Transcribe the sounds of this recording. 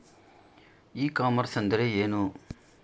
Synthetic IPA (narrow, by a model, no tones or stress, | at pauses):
iːkaːmɐɾsɐnd̪ɐɾeeːnu